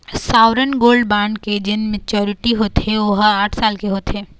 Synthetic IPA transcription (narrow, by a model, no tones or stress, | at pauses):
saːʋɾənɡoːlɖbaːɳɖked͡ʒɪnmet͡ʃɔːɾɪʈiɦoːt̪ɛʋoɦaːʈʰsaːlkeɦoːt̪eː